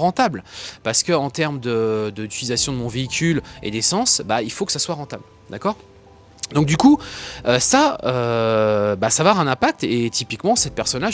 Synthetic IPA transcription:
ʁɑ̃t̪ablpaʁsə̥kəɑ̃t̪ɛʁməd̪əd̪əd̪yt̪ilizasjɔ̃d̪əmɔ̃veikʲʰylḛd̪esɑ̃sbailfokə̥saswaʁɑ̃t̪abl | d̪akɔːʁ | d̪ɔ̃k̚d̪ykuøsaø | basavaʁɛ̃nɛ̃pak̚t̪et̪ipikmɑ̃sɛt̪̚pɛʁsɔnla

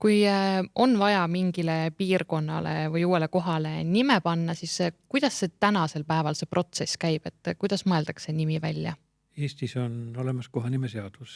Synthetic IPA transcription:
kujʔo̞nvɑjɑmiŋɡ̥ile̞piːrko̞nːɑ̰le̞̰vɯjuːe̞le̞ko̞ɦɑle̞nimepɑnːɑsiskujd̪̥ɑsːe̞t̪ænɑse̞lpæevɑlse̞pro̞t̪se̞skæjb̥e̞t̪ːˑkujd̪̥ɑsmɤe̞ld̪̥ɑkse̞nimivælʲjɑ̰ | eːst̪isono̞le̞mɑskoɦɑnimeseɑd̪̥us

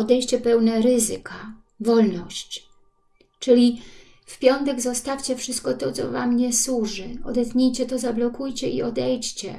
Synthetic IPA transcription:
ɔd̪ɛjɕt͡ɕɛpɛwnɛɾɘzɘka | vɔlnɔɕt͡ɕ | t͡ʂɘlʲi | fpʲjɔnt̪ɛɡzɔst̪afʲt͡ɕɛfʂɘst̪̚kɔt̪ɔt̪sɔ̰va̰mɲɛswuʐɘɔd̪ɛt̪ɲejt͡ɕɛt̪ɔzablɔkujt͡ɕɛʔḭɔd̪ɛjt͡ɕt͡ɕɛ̰

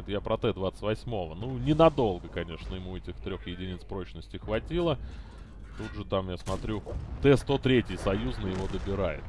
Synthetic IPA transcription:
ɪt̪japɾɐt̪ɛd̪vat̪sə̥tʲvɐsʲmo̞vənunʲɪnɐd̪o̞lˠɡəkɐnʲe̞ʂnəjɪmuɛtʲɪxt̪ɾʲoxjɪdʲɪnʲit̪spɾo̞t͡ɕnəsʲtʲɪxvɐtʲilˠə | t̪udʐɨt̪amjasmɐt̪ɾʲut̪ɛst̪o̞t̪ɾʲetʲɪjsɐjuznəjɪvo̞d̪əbʲɪɾajɪ̰t̪

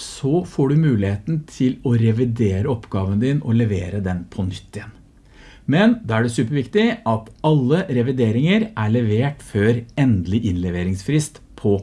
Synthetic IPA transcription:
sɔfoːɖʉmʉːlɪheːt̪n̩t̪ʰɪlɔɾɛʋɪd̪eːɾəɔpɡɑːʋənəd̪ɪːnɔlɛʋeːɾəd̪ɛnpʰɔnʏt̪ʰːəən | mɛnd̪ɑːæɖɛsʉːpəɾʋɪkt̪ɪʔɑt̪ɑlːəɾɛʋɪd̪eːɾɪŋəɾʔæɭɛʋeːʈføːɾɛnd̪lɪʔɪnlɛʋeːɾɪŋsfɾɪst̪ | pʰɔ

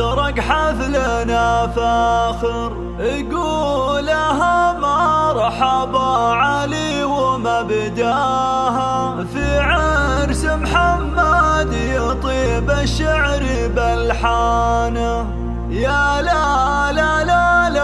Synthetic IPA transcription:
ɑɾˤɑɡħaflanafaxɪɾ | ɡuːlːaɦamaɾˤɑħɑbɑʕali | wɪmabɪd̪aɦa | fiʕaɾsɪmħamːad̪jɪt̪ˤiːbaʃaʕɾibalħana | jalalalala

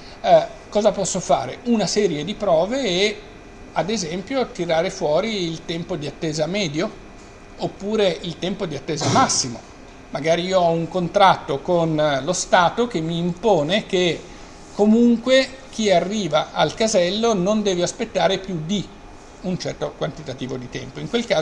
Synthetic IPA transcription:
kɔːzapɔsːofa̰ːɾeunasɛːɾjed̪ipɾɔːveː | ad̪ezɛmpjot̪iɾaːɾefwɔːɾiːlt̪ɛmpod̪iat̪ːeːzamɛːd̪jo | opːuːɾeilt̪ɛmpod̪iat̪ːeːzamasːimo̰ | maɡaːɾiiːoɔuŋkont̪ɾat̪ːokonlost̪aːt̪ok̟emːiːmpoːneke | komuŋkwe | k̟iarːiːvaʔalkazɛlːonond̪ɛːveaspet̪ːaːɾepjud̪i | unt͡ʃɛrt̪okwant̪it̪at̪iːvod̪it̪ɛ̰mpoiŋkwelkaː

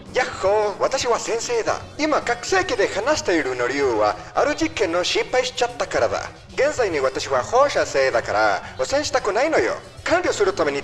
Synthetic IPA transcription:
jahowat̪aʃiwasenseða̰imakaksekeðehanaʃi̥t̪aiɾunoɾjuwa̰ | a̰ɾut͡ʃikenoʃipaiʃi̥t͡ʃat̪ːakaɾaða̰ | ɡenzajniwat̪aʃiwahoʃaseðakaɾa̰osenʃi̥t̪akunajnojo̰kʰanɾiosuɾut̪ameni

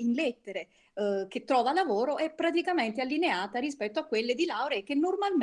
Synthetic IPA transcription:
inlet̪ːeɾe | k̟et̪ːɾɔːvalavoːɾoʔɛpːɾat̪ikament̪ealːineaːt̪aɾispɛt̪ːoakːwelːed̪ilawɾeekenːormalm

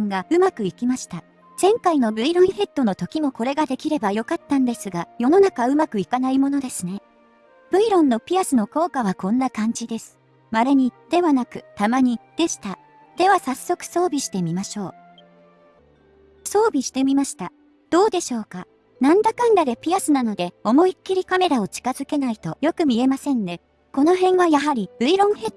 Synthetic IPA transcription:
ŋɡaɯ̟makɯ̟ikʲimaɕi̥t̪a | z̥ẽ̞ŋkaino̞bɯ̟iɾõĩɰ̃he̞t̪ːo̞no̞t̪o̞kʲimo̞ko̞ɾe̞ɡad̪e̞kʲiɾe̞bajo̞kat̪ːãnd̪e̞sɨɡajo̞no̞nakaɯ̟makɯ̟ikanaimo̞no̞d̪e̞sɨne̞ | b̥ɯ̟iɾõ̞nːo̞pʲiasɨno̞ko̞ːkaβ̞akõ̞nːakãɲ̟d͡ʑid̪e̞sɨ̥ | maɾeɲ̟id̪̥e̞βanakɯ̟t̪amaɲ̟id̪̥e̞ɕi̥t̪a | d̪̥e̞β̞asasːo̞kɯ̟̥so̞ːbʲiɕi̥t̪e̞mʲimaɕo̞ː | so̞ːbʲiɕi̥t̪e̞mʲimaɕi̥t̪a | d̪̥o̞ːd̪e̞ɕo̞ːka | nãnd̪akãnd̪ad̪e̞pʲiasɨnano̞d̪e̞o̞mo̞ikʲːiɾʲikame̞ɾao̞t͡ɕi̥kazɨke̞nait̪o̞jo̞kɯ̟mʲie̞masẽ̞nd̪e̞ | ko̞no̞ɦẽ̞ŋɡajaɦaɾʲib̥ɯ̟iɾõ̞ɰ̃he̞

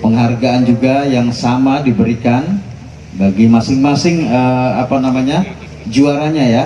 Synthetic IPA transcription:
pəŋɦarɡaand͡ʒuɡajaŋsamadibəɾikan | baɡimasɪŋmasɪŋəapanamaɲa | d͡ʒuaɾaɲaja

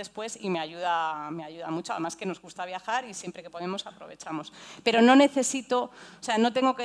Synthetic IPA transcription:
espwe̞sime̞aʝuðameaʝuðamut͡ʃoa̰ðmaske̞no̞zɣust̪aβ̞jaxaɾisje̞mpɾe̞ke̞po̞ðe̞mo̞sapɾo̞̰βe̞t͡ʃamo̞spe̞ɾo̞nõ̞ne̞θe̞sit̪o̞ose̞anot̪e̞ŋɡo̞ke

